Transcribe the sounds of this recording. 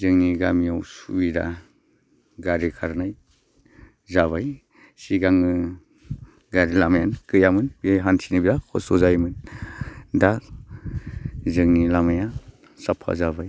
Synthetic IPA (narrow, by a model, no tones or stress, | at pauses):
zɯŋniɡamijawsubida̰ | ɡaɾikʰaɾnaj | zaβaj | siɡaŋɯ | ɡaɾilamajankɯjamɯnbiajɦansinɯbidakʰɔ̰sɔzajmɯn | da | zɯŋnilamaja | sapʰa̰zabaj